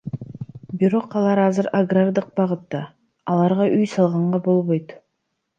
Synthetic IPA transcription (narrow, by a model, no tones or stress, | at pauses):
biɾo̞qɑlˠɑɾɑzɨɾaɡrard̪ɯq̚bɑʁɯt̪ːɑː | lˠɑɾʁɑʔyjsɑlˠʁɑɴʁɑbo̞lˠβo̞jt̪